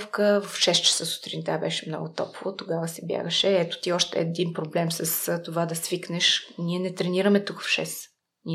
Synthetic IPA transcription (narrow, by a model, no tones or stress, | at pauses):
fkəvɐfʃɛst͡ʃɛ̥səsʊ̥t̪ɾint̪abɛʃɛmnɔ̰ɡʊt̪ɔ̰povot̪oɡavəsɛbja̰ɡəʃɛɛt̪o̥t̪iɔʃt̪ɛ̰ːd̪inpɾoblɛmsɐst̪ovad̪ɐsviknɛʃniɛnɛt̪ɾɛniɾəmɛt̪ukvfʃɛ̰s | ni